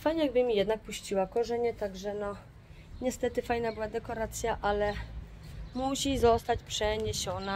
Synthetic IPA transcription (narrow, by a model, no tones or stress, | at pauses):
fajɲɛjaɡ̚bɘmʲijɛd̪nak̚puɕt͡ɕiwakɔʐɛɲɛt̪aɡʐɛnɔ | ɲɛst̪ɛt̪ɘfajnabɘwad̪ɛkɔɾat̪sʲjaʔalɛ | muɕizɔst̪at͡ɕpʂɛɲeɕɔna